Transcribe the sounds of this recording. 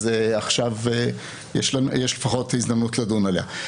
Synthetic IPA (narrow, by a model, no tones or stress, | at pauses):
zeaχʃave | jeʃlanjeʃlefaχo̞tizdamnutladunalea